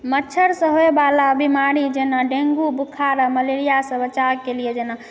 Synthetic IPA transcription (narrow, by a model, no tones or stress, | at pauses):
mətːt͡ʃʰəɾsə̃ɦoebalabimaɾid͡ʒenaɖẽŋɡubukʰaɾəməleɾijasə̃bət͡ʃakelied͡ʒena